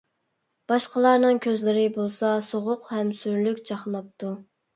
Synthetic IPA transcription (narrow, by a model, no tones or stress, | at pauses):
b̥ɑʃqəlˠɑɾnɨŋkʲʰøzlɪɾɪbolˠsɑsoʁʊqhɛmsyɾlykʲt͡ʃɑχlˠɑp̚t̪u